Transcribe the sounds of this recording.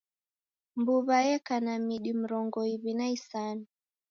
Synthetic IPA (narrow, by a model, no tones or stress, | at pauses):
mbuβajɛkanamiɗim̩ɾɔŋɡɔiβinaisani